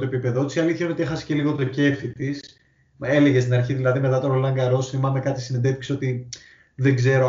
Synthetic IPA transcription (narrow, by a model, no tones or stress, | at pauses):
t̪oepipe̞ðot̪i̥siɐliθçɐnot̪iexɐse̥ce̞liɣo̞t̪oce̞fit̪is | e̞le̞ʝest̪inɐɾçiðilɐðime̞t̪ɐt̪oɾolɐŋɡɐɾo̞sθimɐmekɐt̪isinend̪efi̥kso̞t̪i | ðeɡze̞ɾo